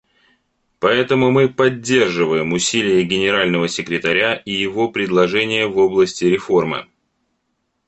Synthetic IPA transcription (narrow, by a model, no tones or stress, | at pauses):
pɐɛt̪əmʊmɨpɐdʲːe̞rʐɨvəjɪmʊsʲilʲɪjəɡʲɪnʲɪɾalʲnəvəsʲɪkɾʲɪt̪ɐɾʲaʔijɪvo̞pɾʲɪd̪lˠɐʐɛnʲɪjəvo̞blˠəsʲtʲɪɾʲɪfo̞rmɨ̰